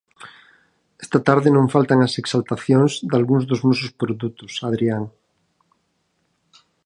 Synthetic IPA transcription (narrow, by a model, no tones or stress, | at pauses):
e̥st̪at̪aɾðenõɱfalt̪aŋaseksalt̪aθjõŋzd̪alɣuŋzðozmususpɾoðut̪osaðɾiaŋ